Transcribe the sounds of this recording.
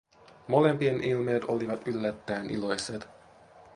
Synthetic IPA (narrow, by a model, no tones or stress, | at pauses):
mo̞lempienʔilmeːt̪o̞liʋɑt̪ylːæt̪ːæːnʔḭlo̞jset̪